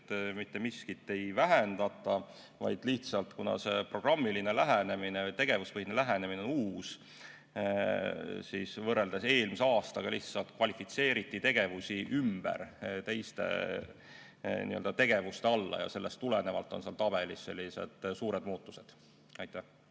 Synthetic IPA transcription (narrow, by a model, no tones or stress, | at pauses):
t̪mit̪ːemiskit̪ːˑe̞jvæɦend̪̥ɑt̪ːˑɑ | vɑ̰jd̪̥liht̪sɑlt̪kunɑ̰se̞pro̞ɡ̥rɑmːiline̞læɦæne̞minejt̪e̞ɡ̥e̞vuspɤhinelæɦænemineonuːs | siːsvɤrːe̞ld̪ese̞ːlmiseɑːst̪ɑɡ̥ɑliht̪sɑlt̪kvɑlʲifit̪se̞ːɾit̪ːˑit̪e̞ɡ̥e̞vusʲiʔymb̥æ̰rt̪e̞jst̪e̞̰ | nḭøld̪ɑt̪e̞ɡ̥e̞vust̪e̞ɑlːɑ̰jɑ̰se̞lːest̪ːulene̞vɑlt̪ːˑo̞nseɑlt̪ɑb̥e̞lisːe̞lʲːise̞̰d̪̥suːɾed̪muːt̪ːu̥se̞d̪̥ | ɑjt̪ˑːæh